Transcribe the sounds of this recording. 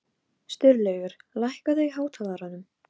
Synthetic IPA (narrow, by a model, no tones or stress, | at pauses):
st̪ʏɾlɛɣʏɾ̥lajhkaðʏiɦaːwt̪ʰalaɾanːʏm